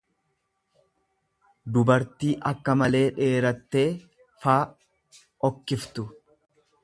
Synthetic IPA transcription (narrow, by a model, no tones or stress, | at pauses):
d̪ʊbɐɾt̪iːʔɐkːɐmɐle̞ːᶑe̞ːɾɐt̪ːe̞ː | faː | ɔkːɪft̪ʊ